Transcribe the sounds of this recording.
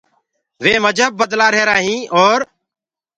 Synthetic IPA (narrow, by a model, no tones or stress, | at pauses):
ʋeːməd͡ʒʱəb̚ːəd̪laːɾɦeːɾaːɦĩːʔɔːɾ